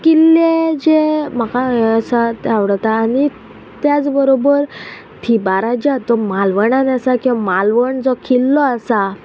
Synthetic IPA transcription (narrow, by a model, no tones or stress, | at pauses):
kilːed͡ʑem̤akaəsat̪aʋɽət̪aːni | t̪jat͡sbəɾobəɾ | t̪ʰibaɾad͡ʑat̪ɔmalʋəɳanasakĩwʋamalʋəɳd͡zɔkʰilːɔasa